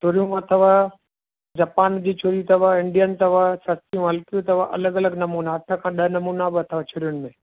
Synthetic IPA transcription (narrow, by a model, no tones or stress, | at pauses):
t͡ʃʰʊɾijũɐt̪ʰəʋə | d͡ʑaːpaːnd͡ʑiːt͡ɕʰʊɾit̪ɐʋaɪ̃ɳɖijənt̪ɐʋasɐɾt̪ijũɦɐlkijũt̪ɐʋaʔɐ̰ləɡɐləɡnɐmuːnaɐʈʰə̆kʰãɗɐɦnɐmuːnabɪɐt̪ʰəʋat͡ɕʰʊɾjʊnɪ̆mẽː